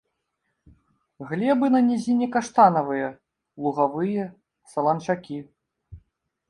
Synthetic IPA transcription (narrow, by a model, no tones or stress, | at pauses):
ɣlʲɛbɨnɐnʲɛzʲinʲɛkaʂt̪anɐvɨjɐ | lˠuɣavɨjɛ | sɐlˠɐnt͡ʂakʲi